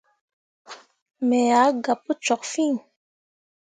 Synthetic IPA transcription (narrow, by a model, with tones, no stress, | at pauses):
mɛ˨ja˨˦ɡa˨pə˦t͡ʃɔ˨kfi˦˨ŋ